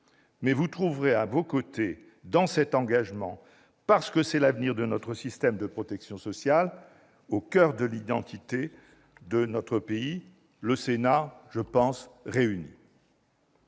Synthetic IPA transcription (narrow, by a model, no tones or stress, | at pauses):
mɛvut̪χuvʁeavokot̪e | d̪ɑ̃sɛt̪ɑ̃ɡaʒmɑ̃ | paʁsə̥kəsɛlavniʁd̪ənɔt̪χəsist̪ɛmd̪əpχɔt̪ɛksjɔ̃sɔsjal | okœʁd̪əlid̪ɑ̃t̪ʰit̪e | d̪ənɔt̪χəpei | ləsenaʒəpɑ̃sʁeyni